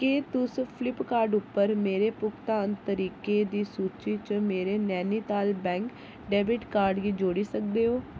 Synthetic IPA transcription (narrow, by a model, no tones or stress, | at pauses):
keːt̪ʊspʰɪlɪpkaːɾɖʊpːəɾmeːɾeːpʊkt̪aːnt̪əɾiːkeːd̪iːsuːt͡ʃiːt͡ʃəmeːɾeːnɛːniːt̪aːlbɛ̃ːŋk | ɖɛːbɪʈkaːɾɖɡiːd͡ʒoːɽiːsək̚d̪eːɦoː